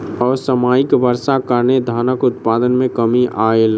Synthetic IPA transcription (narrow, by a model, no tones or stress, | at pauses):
ɔːɾsəmaːɪkbəɾsakəɾned̪ʱaːnəkʊt̪pad̪ənmẽkəmiʔael